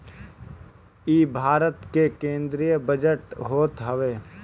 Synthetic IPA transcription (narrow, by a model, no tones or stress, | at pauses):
iːbʱaːɾət̪kekẽːnd̪ɾijəbəd͡ʒəʈɦoːt̪ɦəʋeː